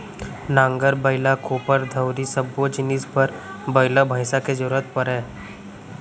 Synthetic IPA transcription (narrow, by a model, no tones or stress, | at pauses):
nãːŋɡəɾbəɪlakoːpəɾd̪ʱəwɾisəbod͡ʒɪnɪspəɾ | bəɪlabʱəɪsaked͡ʒəɾuːɾət̪̚pɐɾɛ̃ː